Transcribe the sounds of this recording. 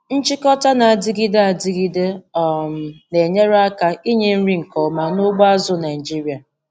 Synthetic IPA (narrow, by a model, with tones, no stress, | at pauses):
n̩˦t͡ʃɪ˦kɔ˦ta˦na˨a˨dɪ˦ɡi˦de˦a˨dɪ˦ɡi˦de˦ɔ˨m̩˨ne˨ɲe˦ɾa˦ka˦i˦ɲe˦n̩˦ɾi˦ŋ̩˨kɔ˨ma˨no˦ɡ͡ba˦zʊ˦na˨ɪ˨d͡ʒi˦ɾi˨a˨